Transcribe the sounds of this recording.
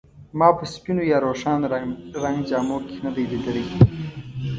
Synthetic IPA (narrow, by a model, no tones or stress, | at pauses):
mɑːpəspinojɑːɾoːʂanɾɾaŋɡd͡ʒɑːmoːkenad̪ajd̪id̪əɽi